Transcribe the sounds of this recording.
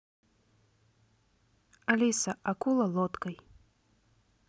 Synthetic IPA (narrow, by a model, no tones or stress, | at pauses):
alʲisɐʔakulˠɐlˠɔt̪kɐj